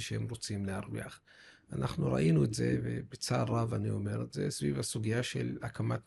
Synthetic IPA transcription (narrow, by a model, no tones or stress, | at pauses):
ʃehemʁo̞t͡simleaʁvḭaχ | anʔaχnuɾa̰ʔinuetzḛvḛbet͡saavanio̞me̞ʁetzesvivhasuɡijaʃe̞̰lakʰamat